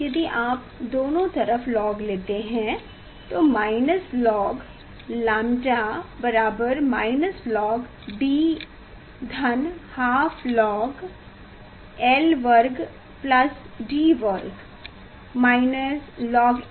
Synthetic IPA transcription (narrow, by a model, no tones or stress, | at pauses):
jɐd̪iʔaːp̚ | d̪oːnõt̪ɐɾəflɔːɡleːt̪eɦɛ̃ | t̪omaːɪnəslɔːɡ | laːmʈabɐɾaːbəɾmaːɪnəslɔːɡ | ɖiː | d̪ʱɐnhaːpʰlɔːɡ | ɛlʋəɾɡ | plɐs | ɖiːʋəɾɡ | maːɪnəslɔːɡ